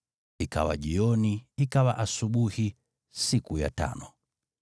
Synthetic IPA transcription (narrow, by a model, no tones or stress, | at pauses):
ika̰wa̰ʄiɔniikawaʔasuɓuhi | sikuja̰ta̰nɔ